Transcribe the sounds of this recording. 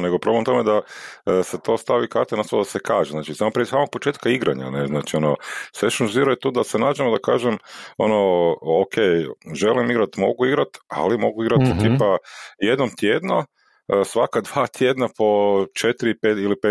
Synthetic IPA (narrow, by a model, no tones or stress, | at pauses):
neɡopɾo̞blemt̪med̪aset̪o̞ːst̪aʋikaɾt̪enast̪old̪asekaːʒeznaːt͡ʃisaːmopɾisaːmo̞ɡ̚pot͡ʃeːt̪kaiɡɾa̰ɲa̰neznaːt͡ʃio̞noseʃunziɾojet̪uːd̪asenaːd͡ʒemod̪aka̰ːʒemo̞̰nookʰejʒe̞limiɡɾat̪mo̞̰ɡuiɡɾat̪a̰limo̞ɡuiɡɾat̪it̪ipaje̞d̪nomt̪jeːd̪no | sʋakad̪ʋaːt̪ʰjed̪napo̞t͡ʃet̪ɾipet̪ilipe